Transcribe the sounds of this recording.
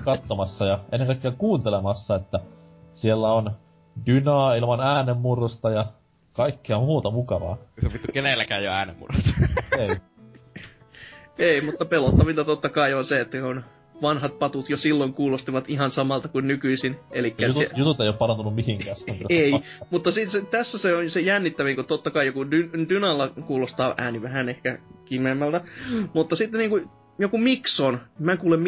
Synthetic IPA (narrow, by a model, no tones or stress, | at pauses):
kɑt̪ːomɑsːɑjɑʔenːeŋkɑˑikːeɑkuːnt̪elemɑsːɑet̪ːæ | sielːæon | dynɑːilmɑnæːnemːurost̪ɑjɑ | kɑikːeɑmuːt̪ɑmukɑʋɑ̰ːsopit̪ːykenelːækæːjjoæːnḛmːṵrost̪ɑ̥ei | eimut̪ːɑpelot̪ːɑʋilt̪ɑt̪ot̪ːɑkɑionseet̪ːækun | ʋɑnhɑt̪̚pɑt̪ut̪josilːoŋkuːlost̪iʋɑt̪ihɑnsɑmɑlt̪ɑkunnykyisinelikːæsjut̪ut̪ejoːpɑrɑnt̪unummihiŋkæːsei | mut̪ːɑsit̪set̪æsːæseonsejænːit̪ːæʋiŋkut̪ot̪ːɑkɑijokudyndynɑlːɑkuːlost̪ɑːʔæ̰ːniʋæhænehkækimemːælt̪æmut̪ːɑsit̪ːeniːŋku | jokumiksonmæŋkuːlemm